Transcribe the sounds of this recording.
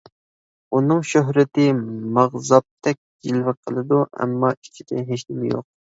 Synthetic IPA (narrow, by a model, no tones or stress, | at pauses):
unɨŋʃøɦɾɪt̪ɪmɑʁzɑp̚t̪ʰɛk̚ʲɡilvɨqʰəlˠɨd̪uʔɛ̰mːɑit͡ʃʰid̪̥ɪnɦeʃlɪmjo̰q̚